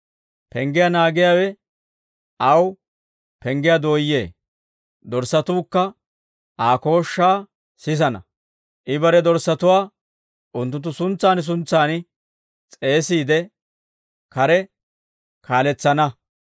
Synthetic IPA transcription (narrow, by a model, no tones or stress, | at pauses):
pɛŋɡɪjanaːɡɪjaːwɛ | ʔɐw | pɛŋɡɪjad̪o̞ːjːe̞̰ː | d̪ɔɾsːɐt̪uːkːɐ | ʔaːko̞ːʃːaː | sɪs̬ɐnɐ̰ | ʔɪbɐɾɛd̪ɔɾsːɐt̪ʊwaː | ʔʊnt̪̬ːʊnt̪ːʊsʊnt͡sːaːns̬ʊnt͡sːaːnɪ | t͡sʼe̞ːsiːd̪ɛ | kɐɾɛ | kʰaːlɛt͡sːɐnɐ